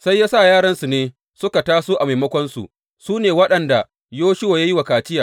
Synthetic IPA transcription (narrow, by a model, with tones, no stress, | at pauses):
sa˦jːaː˦sa˦˨jaː˦ɽɐ˦nsu˨neː˦ | sʊ˦ka˨taː˦soː˦ʔa˨ma˨jmɐ˦kʷɔ˦nsṵ˨ʔ | suː˦neː˨wɐ˦ɗɐ˨nda˨ | joː˦ʃɪ˦waː˨ja˦ji˦wa˨kaː˨t͡ʃɪ˦jaː˨